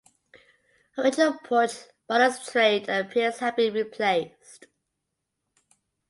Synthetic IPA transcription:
əɹɪd͡ʒɪnəlˠpʰɔˑt͡ʃ | b̥ʌɾəstʰɹ̥eɪdəpʰɪəz̥həvbĩɹipʰl̥eɪst

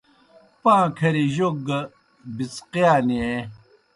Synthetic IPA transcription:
pãːkʰɐɾiʑoɡ | bit͡sqijaːnie

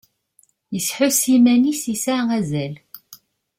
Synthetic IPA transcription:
jəsħʊsimænisisaʁæzæl

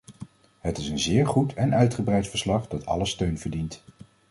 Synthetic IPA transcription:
ɦətɪsənzɪːɹχutʰɛnœɥtχəbrɛjtfəɹslɑχdɑtʰɑ̰ləstøɥnvəɹdint

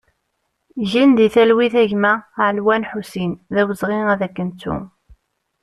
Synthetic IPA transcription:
ʝind̪iθælwiθæʝmæʕlwænħusinðæwəzʁiŋæðækːənt͡sːṵ

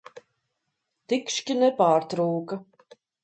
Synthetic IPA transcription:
t̪ikʃkʲinɛpaːɾt̪ɾuːkɐ

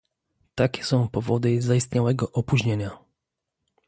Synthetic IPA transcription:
t̪akʲɛ̥sɔ̃w̃pɔvɔd̪ɘzaist̪ɲawɛɡɔʔɔpuʑɲeɲa

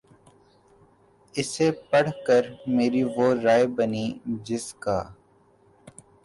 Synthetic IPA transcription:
ɪsepɐɽ̤kəɾmeːɾiʋoːɾaːebənid͡ʒɪska̰ː

